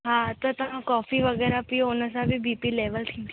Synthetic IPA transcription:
ɦãːt̪ot̪ɐɦãkɔːfʰiʋəɡɛːɾapionə̃saːbibiːpileːʋəlt̪ʰĩː

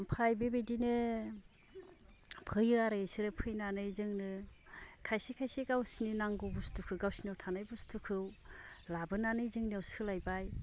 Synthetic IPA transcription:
mpʰajbebejdinɯ | pʰɯjɯaɾaisiɾɯpʰɯjnanɯjzɯŋnɯ | kʰajsikʰajseɡawsininaŋɡubustukʰɯɡawsiniawtʰanajbustʰukʰɯwlabɯnanɯjzɯŋniawsɯlajbaj

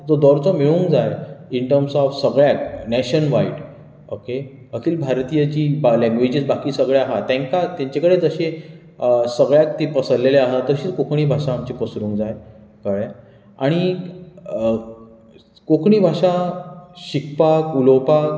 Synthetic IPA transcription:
d͡zɔd̪ɔɾt͡sɔmiɭũːŋkd͡zajiɳʈəɾmsɔfsəɡɭjaknɛɕənʋaiʈ | oke | əkiːlbʱaɾt̪ijət͡ɕiːblɛ̃ŋɡʋed͡ʑiːsbakiːsəɡɭjaaɦat̪ɛ̃ŋkat̪jãɲt͡ɕakəɽed͡zəɕe | səɡɭjak̚t̪ipəsəɾleleaɦat̪əɕiːt͡skokʰɳ̃iːbʱaʂaːmt͡ɕipəsɾũːŋkd͡zaj | kəɭa | aɽ̃i | kokʰɳiːbʱaʂa | ɕikpakulopak

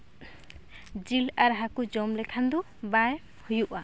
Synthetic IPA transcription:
d͡ʒilaɾɦakud͡ʒɔmlɛkʰand̪u | baj | hujuʔa

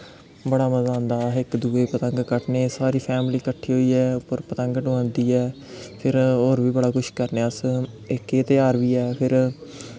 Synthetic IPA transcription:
bəɽaːməzaːʊ̃nd̪aːɪkd̪uːeːpət̪əŋɡkəʈneːsaːɾiːpʰɛːmliːkəʈʰːiːɦoːiːɛːʊpːəɾpət̪əŋɡɖʊə̃ːnd̪iːɛː | pʰɪɾoːɾbiːbəɽaːkʊʃkəɾneːəs | ɪkeːt̪ɪjaːɾʋiːɛːpʰɪɾ

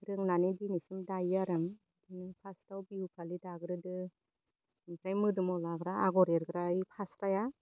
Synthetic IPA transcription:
ɾɯŋnanidinisimdajaɾɯŋ | dinɯpʰastawbihukʰalidaɡɾɯdɯ | nikɾajmɯdɯmɔlaɡɾaaɡɔɾeɾɡɾaipʰasɾaja

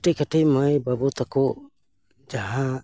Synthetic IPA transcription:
ʈekaʈʰejmajbabɔt̪akɔ | d͡ʒaɦã

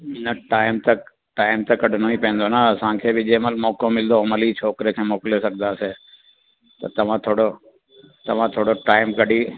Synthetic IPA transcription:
nɐʈaːɪmt̪ɐk | ʈaːɪmt̪ɐkɐɖ̤ʱnoipɛ̃ẽːn̆d̪onaɐsãkʰeːbɪd͡ʑeːməlmɔːkõmɪld̪oməlit͡ʃʰoːkɾekʰeːmoːklesɐɡd̪aseː | t̪ɐ̰t̪ɐʋ̤ãt̪ʰoːɽo | t̪ɐʋ̤ãt̪ʰoːɽoʈaːɪmkɐɖiː

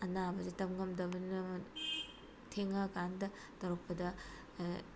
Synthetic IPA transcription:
ɐnabɐzitɐmŋɐmdɐbɐnɯ | tʰeŋɐkandɐ | tɐɾok̚pɐdɐ

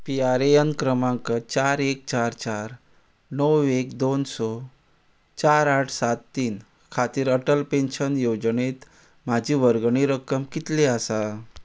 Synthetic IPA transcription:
piaɾejənkɾəmãŋkət͡ɕaɾek̚t͡ɕaɾt͡ɕaɾ | nəwekd̪onsɔ | t͡ɕaɾaʈʰsat̪ːiːn | kʰat̪iːɾəʈəlpenɕənjod͡zɳet̪ | mad͡ʑʱiːʋəɾɡɳiɾəkːəmkit̪leasa

